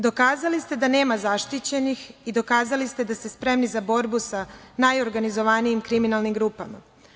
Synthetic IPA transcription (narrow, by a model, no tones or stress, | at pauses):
d̪o̞kaːzalist̪e̞d̪ane̞ːmazaʃt̪it͡ɕe̞nixid̪o̞kaːzalist̪e̞d̪ast̪espɾe̞mnizabo̞ɾbusanajo̞ɾɡanizo̞ʋaniimkɾiminalˠnimɡɾuːpama̰